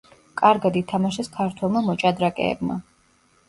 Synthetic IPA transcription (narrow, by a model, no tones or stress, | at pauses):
kʼaɾɡad̪it̪ʰamaʃɛskʰaɾt̪ʰwɛlˠmamɔt͡ʃʼad̪ɾakʼɛ̰ːbma̰